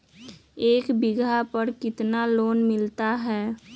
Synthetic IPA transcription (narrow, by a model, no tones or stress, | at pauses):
eːkbɪɡʱapəɾkɪt̪naloːnmɪlt̪aɦɛː